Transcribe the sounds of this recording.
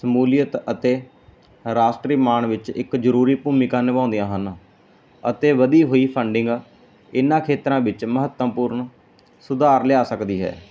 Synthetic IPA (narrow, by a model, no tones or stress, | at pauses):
səmuːlɪjət̪ət̪eː | ɾaːsʈɾiːmaːɳʋɪt͡ʃɪkd͡ʒəɾuːɾiːpuːmɪkaːnɪʋãːnd̪ijãːɦən | ət̪eːʋəd̪iːɦoːiːpʰəɳɖɪ̃ŋɡ | ɪnãːkʰeːt̪ɾãːʋɪt͡ʃməɦət̪ːəmpuːɾɳ | sʊd̪aːɾlɪjaːsəkd̪iːɦɛ̰ː